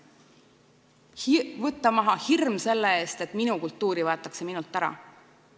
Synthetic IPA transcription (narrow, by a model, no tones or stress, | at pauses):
vɤt̪ːˑɑmɑɦɑhirmse̞lːee̞ːst̪e̞t̪ˑminukult̪ːˑuːɾivɑet̪ːˑɑkse̞minult̪ːˑæɾɑ̰